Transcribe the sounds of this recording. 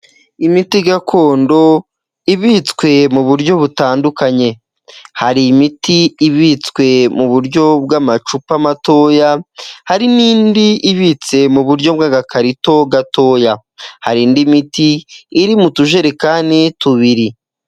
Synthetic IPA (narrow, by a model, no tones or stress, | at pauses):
imitiɡakʰo̞ːndo̞ | iβit͡skwe̞muβuɾɟo̞βutaːndukaɲe̞ | haɾimitiːβit͡skwe̞muβuɾɟo̞b̚ɡamat͡ʃupamatoːjahaɾiniːndiʔiβit͡se̞muβuɾɟo̞b̚ɡaɡakʰaɾito̞ɡato̞ːja | ha̰ɾiːndimitiːɾimutuʒe̞ɾekaːnituβiɾi